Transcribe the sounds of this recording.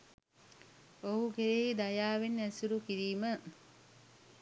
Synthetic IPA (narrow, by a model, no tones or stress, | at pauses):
oɦukeɾeɦid̪ajaːʋenːæsuɾukiɾiːmə